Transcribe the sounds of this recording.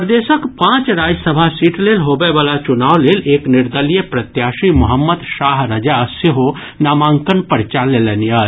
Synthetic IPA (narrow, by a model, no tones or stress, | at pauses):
pɾd̪eːʃəkpãːt͡ʃɾaːd͡ʒsəbʱasiːʈleːlɦoːbeʋaːlat͡ʃʊnaːwleːleːknɪɾd̪əlijəpɾɐt̪jaːʃimʊɦəmːəd̪ʃaːɦɾəd͡ʒaseɦo | naːmãːŋkənpəɾt͡ʃaːlːeːlenija